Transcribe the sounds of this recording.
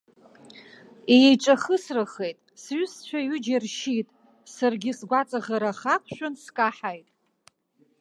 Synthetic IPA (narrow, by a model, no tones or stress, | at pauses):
eʈ͡ʂʼaχəsrɨχejtʼsɥʏst͡ʃʷᶣʰaɥʏd͡ʒarʃitʼ | sarɡʲɪsɡʷat͡sʼaʁaɾaχakʷʰʃᶣʊnskʼaħajtʼ